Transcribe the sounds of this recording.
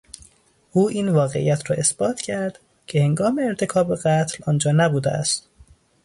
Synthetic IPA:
ʔuːʔiːnvɒːɣe̞̰ʔḭjæt̪ʰɾɒːʔe̞sb̥ɒːt̪ʰcʰæɾd̪̥ | cʰe̞he̞ŋɡɒːme̞ːɾt̪ʰe̞kʰɒːbeɣæt̪ʰlɒːnd͡ʒɒːnæbuːd̪eæ̰st̪

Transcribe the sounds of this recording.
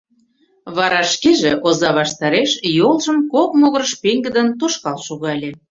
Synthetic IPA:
βɑɾɑʃkeʒeʔozɑβɑʃt̪ɑɾeʃjolˠʒə̆mkok̚moɣəɾəʃpeŋɡə̆d̪ə̆nt̪oʃkɑlʃoɣɑlʲĕ

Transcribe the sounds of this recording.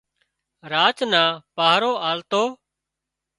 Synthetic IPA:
ɾaːt͡ʃnaːpaːɦɾoːʔaːlt̪oː

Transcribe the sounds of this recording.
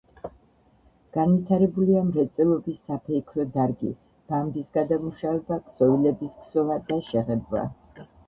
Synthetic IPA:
ɡ̥anvit̪ʰaɾɛbuliamɾɛt̪sʼɛlˠɔbisːapʰɛikʰɾɔd̪aɾɡḭ | b̥amb̪isɡad̪amuʃavɛbaksɔvilɛbiskʰsɔvad̪aʃɛʁɛbla̰

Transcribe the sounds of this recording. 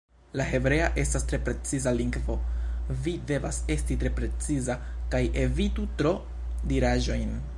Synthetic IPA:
lahe̞bɾe̞aʔe̞stastɾe̞pɾe̞t͡sizaliŋɡvo̞vide̞vase̞stitɾe̞pɾe̞t͡siza | kajʔe̞vitutɾo̞ | diɾaʒo̞jn

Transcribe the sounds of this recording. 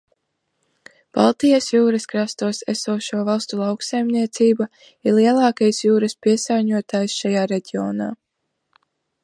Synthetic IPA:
b̥a̰lˠt̪ijasjuːɾɐskɾast̪uɔsɛ̰suːʃuɔvalˠst̪ulˠɑwksajmniɛt̪siːba | iɾliɛlˠɑːkajsjuːɾɐspiɛsaːɲuɔt̪aːjsʃajaːɾeɟʲiɔ̰na̰ː

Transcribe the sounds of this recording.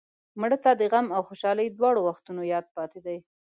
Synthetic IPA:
mɽət̪ad̪əɣamawxoʃɑləjd̪wɑɽowaxt̪unojɑd̪̚pɑt̪ed̪aj

